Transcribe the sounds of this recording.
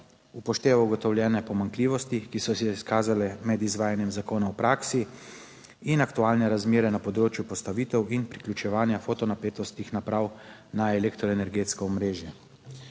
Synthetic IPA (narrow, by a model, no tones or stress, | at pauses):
upɔʃt̪eːʋauɡɔt̪ɔwljɛːnɛpɔmaŋkliːʋɔst̪ikisɔsɛiskaːzalɛmɛd̪izʋaːjanjɛmzakoːnaɔpɾaːksi | inakt̪uaːlnɛɾazmeːɾɛnapɔd̪ɾoːt͡ʃjupɔst̪aʋit̪ɛwinpɾiklʲjut͡ʃɛʋaːnjafoːt̪ɔnapeːt̪ɔst̪ixnapɾaːwnaɛleːkt̪ɾɔɛnɛɾɡeːt̪skɔɔmɾeːʒjɛ